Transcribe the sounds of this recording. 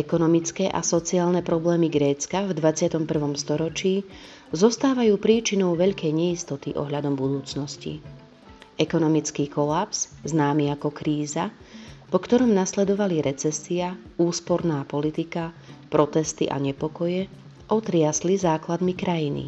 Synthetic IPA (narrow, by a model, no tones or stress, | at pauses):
ɛkɔnɔmit͡skɛʔa̰sɔt͡siaːlnɛpɾɔblɛːmiɡɾɛːt͡skavd̪ʋat͡sɪat̪ɔmpr̩ʋɔmst̪ɔɾɔt͡ʃiː | zɔst̪aːʋajuːpɾiːt͡ʃinɔʊʋɛʎkɛjɲɛist̪ɔt̪iʔɔ̰ɦʎad̪ɔmbud̪uːt͡snɔscḭ | ɛkɔnɔmit͡skiːkɔlapsznaːmiakɔkɾiːzapɔkt̪ɔɾɔmnaslɛd̪ɔʋaliɾʔɛt͡sɛsiauːspɔɾnaːpɔlit̪ika | pɾɔt̪ɛst̪ḭʔa̰ɲɛpɔkɔjɛ | ʔɔt̪ɾɪaslizaːklad̪mikɾajinḭ